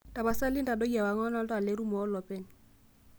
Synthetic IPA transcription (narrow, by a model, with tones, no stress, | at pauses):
ta˨ba˨sa˦lɪ˦n˦ta˨do˦a˨wa˨ŋɔ˦na˦la˨le˦ɾu˦mɔ˨˦lɔ˨pɛ˦˨n